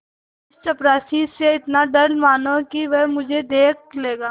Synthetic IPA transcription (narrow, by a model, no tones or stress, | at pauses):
ɪst͡ʃɐpɾaːsiseɪt̪naɖɐɽmaːnõkiʋɛɦmʊd͡ʒʱed̪eːk̚leːɡaː